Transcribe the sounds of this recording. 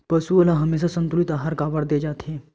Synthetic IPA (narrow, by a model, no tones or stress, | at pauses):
pəsuəlaɦəmes̬asənt̪ulit̪aɦaɾkaʋəɽd̪ed͡ʑat̪ʰe